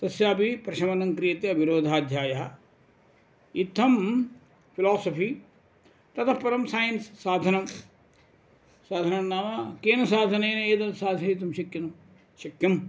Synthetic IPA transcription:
t̪ɐsjaːpipɾɐʃɐmɐnɐŋkɾijɐt̪eɐbʱiɾoːd̪ʱaːd̪ʱjaːjɐɐ | it̪ʰːɐm | pʰilaːsɐpiː | t̪ɐt̪ʰɐpɐɾɐmsaːjɐnsːaːd̪ʱɐnɐm | saːd̪ʱɐnɐmnaːmakeːnɐsaːd̪ʱɐneːnɐeːt̪ɐnsaːd̪ʱnɐit̪ɐmʃɐkjɐnɐm | ʃɐkjɐm

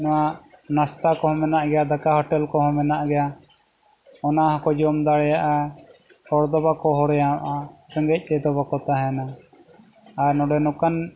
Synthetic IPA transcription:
nɔwanast̪akɔhɔ̃mɛnaʔɡɛjad̪akahɔʈɛlkɔɦɔ̃mɛnaʔɡɛja | ɔnaɦakɔd͡ʒɔmd̪aɽɛjaʔa | hɔɽd̪ɔbakɔɦɔɽjama̰ʔaɾɛŋɡɛc̚ˀd̪ɛd̪ɔbakɔt̪aɦɛna | ɾnɔɖɛnɔkan

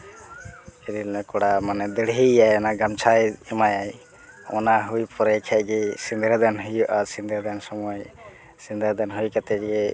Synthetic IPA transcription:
ɛɾilnɛkɔɽamanɛd̪əɽɦiajɔnaɡamt͡ʃʰajɛmajaj | ɔ̰naɦujpɔɾɛkʰɛʔ̚ˀɡɛsind̪ɾad̪anɦujɔʔaɾsind̪ʱaɾd̪ɛnsɔmɔj | sind̪əɾd̪anɦujkat̪ɛɡɛ

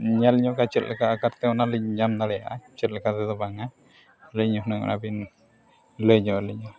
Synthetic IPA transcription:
ɲalɲɔkat͡ʃət̪̚lɛkaʔːkaɾt̪ɛɔnaləɲɲamnaɽɛja̰ʔat͡ʃət̪̚lɛkat̪ɛd̪ɔbaŋa | ləɲɔɦnəŋɔ̰na̰bin | ləɲɔaləɲɔ

